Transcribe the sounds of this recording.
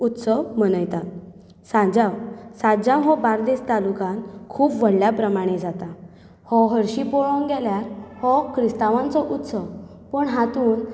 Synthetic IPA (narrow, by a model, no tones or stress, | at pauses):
ut̪səwmənəjt̪at̪ | sãd͡ʑãwsãd͡ʑãwɦɔbaɾd̪est̪alukãnkʰuːpʋəɽljapɾəmaɽ̃ed͡zat̪a | hɔɦəɾɕipɔɭɔŋɡɛljaɾhɔkʰɾist̪aʋãnt͡sɔʔut̪səw | pəɳɦãt̪uːn